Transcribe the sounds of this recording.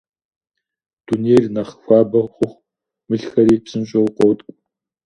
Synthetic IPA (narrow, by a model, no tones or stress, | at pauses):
d̥unernɐχfʷaːbɐχʷʊχʷ | mɨɬxɐɾiːpsɨmɕʼowqʷɔwtʼ